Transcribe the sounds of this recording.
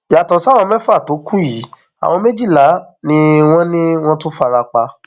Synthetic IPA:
ja˨tɔ̃˨sa˦˨wɔ̃˧mɛ̃˦fa˦˨to˨˦ku˦ji˨˦ | a̰˨w̃ɔ̃˧me˦d͡ʒi˦˨la˨˦ | nĩ˦w̃ɔ̃˦nĩ˦w̃ɔ̃˦tu˦fa˧ɾa˧k͡pa˧

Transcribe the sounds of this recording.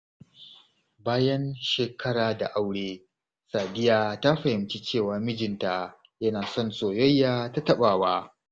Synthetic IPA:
baː˦jɐ˦nʃeː˨kʰɐ˦ɽaː˨da̰˨ʔa˦wɽeː˦ | saː˨dɪ˦jaː˦˨ta˦ɸɐ˨hɪ˨mt͡ʃi˦t͡ʃeː˦˨waː˨mɪ˦d͡ʒɪ˨nta˨ | jɐ˦naː˨sɔ˦˨nsoː˨jɔ˦jːaː˦ta˦tɐ˦ɓaː˨waː˦

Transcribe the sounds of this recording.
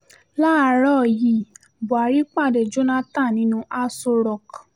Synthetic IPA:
la˦˧ɾɔ˦˨ji˨ | bo˨a˨ɾi˦k͡pa˦˨dɛ˨d͡ʒo˦nã˦ta˦˨nĩ˨˦nũ˧ʔa˧so˧ɾɔ˨k

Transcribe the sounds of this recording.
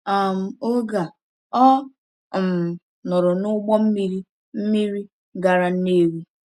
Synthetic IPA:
a˨m̩˨o˦ɡa˨ | ɔ˦˨ | m˨ | nʊ˨ɾʊ˨nʊ˦ɡ͡bɔ˦m̩˦mi˦ɾi˦ | m̩˦mi˦ɾi˦ | ɡa˨ɾa˨ne˦ɾi˦

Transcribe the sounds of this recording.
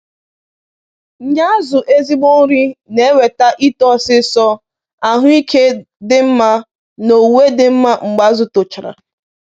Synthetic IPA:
ɲa˦a˦zʊ˨ʔe˦zi˦ɡ͡bo˦n̩˦ɾi˦ne˨˦we˨ta˦ʔi˦tɔ˦sɪ˦sɔ˦ | a˨ɦʊ˦i˦kʰe˦ | dɪ˦m̩˦ma˦ | no˨we˦dɪ˦m̩˦ma˦ŋ͡m̩˨ɡ͡ba˦zʊ˨tʊ˨t͡ʃɪ˨ɾa̰˨

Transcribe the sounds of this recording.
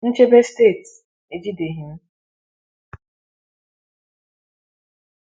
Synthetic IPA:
n̩˦t͡ʃe˦be˦steː˦˨t | e˨d͡ʒi˦de˨ɦɪ˨m̩˦

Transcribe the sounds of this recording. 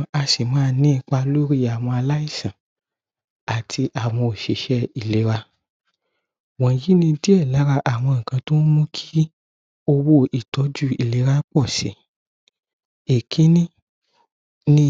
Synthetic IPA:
a˧si˨mãː˦˧˦nĩ˦˧k͡pa˧lo˦ɾi˦˨a˨w̃ɔ̃˧a˧la˦i˦˨sã˨ | a˨tʰi˧ʔa˨w̃ɔ̃˧o˨ʃe˨ʃɛ˦i˨le˨˦ɾa˧ | wɔ̃˨ji˨˦nĩ˧di˦ɛ˦˨la˨˦ɾa˧˦ʔa˨w̃ɔ̃˧˨ŋ̩˨kã˧to˦n˦mũ˦kʰi̥˦ | o˧wo˦i˨tɔ˨˦d͡ʒu˦˨i˨le˨˦ɾa˧˦k͡pɔ˦˨sḛ˨˦ | e˨kʰĩ˦nĩ˦ | nĩ˦

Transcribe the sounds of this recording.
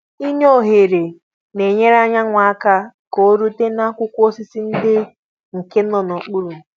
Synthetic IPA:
i˦ɲo˦˨ɦe˨ɾe˨ | ne˨ɲe˦ɾa˦ɲa˦ŋʷa˨a˦ka˦ | ko˦ɾu˦te˦na˦kʷʊ˦kʷo˦sɪ˦si˦n̩˦dɪ˦ | ŋ̩˨ke˦n˦ɔ˨nɔ˨k͡pu˦ɾu˨

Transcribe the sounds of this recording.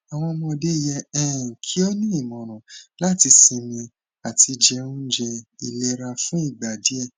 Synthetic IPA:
a˨w̃ɔ̃˧mɔ̃˧de˦i˦˨jɛ˧ɛ˨kʰi˦o˦nĩ˦i˦˨mɔ̃˨ɾ̃ɔ̃˨la˦˨ti˧sĩ˧mĩ˧ | a˨tʰi˧d͡ʒɛ˧ũ˦d͡ʒɛ˧i˨le˧ɾa˧fũ˦i˦˨ɡ͡ba˨di˨˦ɛ˦˨

